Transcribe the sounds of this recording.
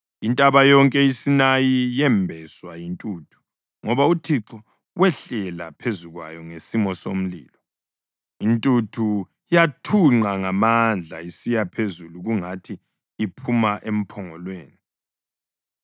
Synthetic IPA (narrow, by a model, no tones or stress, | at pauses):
intʼaβajɔŋkʼɛisinajijɛmbʱɛswajintʼuːtʰu̥ | ŋɔβautʰiǁɔ | wɛɬɛla̰pʰezuɣwa̰jɔŋesimɔsom̩lḭːlɔ | intʼutʰu | jatʰuŋ͡ǃaŋamand͡ɮʱa̰isijapʰezuluɣuŋatʰiː | pʰumaʔem̩pʰɔŋɔlweːni